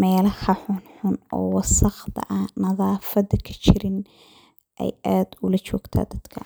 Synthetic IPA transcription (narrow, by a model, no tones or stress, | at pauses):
mɛːlɐhɐħʊnħʊnʔɔ̰ːwɑsɐqd̪ʰɐ̰ʔanɐðɑːfɐdɐkʰɐ̥t͡ʃɪɾɪn | ʔɛ̰jʔaːd̪ʊlɐt͡ʃɔːɡt̪ʰa̰ːd̪ɐd̪̥kʰɐ